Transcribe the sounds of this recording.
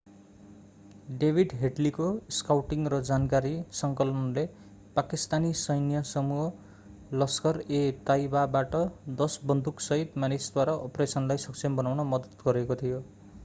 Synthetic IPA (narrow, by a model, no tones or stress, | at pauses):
ɖebʱiɖɦeʈlikoskawʈiŋrʌd͡zankaɾisʌŋkʌlʌnle | pakist̪anisʌjnijʌsʌmuɦʌ | lʌskʌret̪ajbabaʈʌd̪ʌsbʌnd̪uksʌɦit̪manisd̪waɾaʔopresʌnlajsʌksʰembʌnawnʌmʌd̪ʌt̪ɡʌɾekot̪ʰijo